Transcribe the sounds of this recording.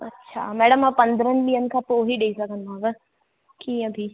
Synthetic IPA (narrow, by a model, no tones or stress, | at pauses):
ɐ̰tːʃʰa̰mɛːɽəmãpɐ̃nd̪ɾənɓiːənɪ̆kʰãːpoːɦiɗeisɐkʰə̃nd̪aːʋə | kiːə̃bʱi